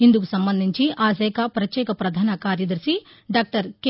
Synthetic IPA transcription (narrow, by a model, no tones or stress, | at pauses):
ind̪ukusɐmbɐnd̪ʱiɲt͡ʃiʔaːs̬ɛːkɐpɾɐt̪jɛːkɐpɾɐd̪ʱaːnɐkaːɾjɐd̪ɐɾʃi | ɖaːk̚ʈɐɾke